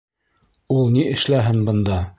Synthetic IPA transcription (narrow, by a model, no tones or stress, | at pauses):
ulˠniɘ̆ʃlæɦɘnbɤ̆nd̪ɑ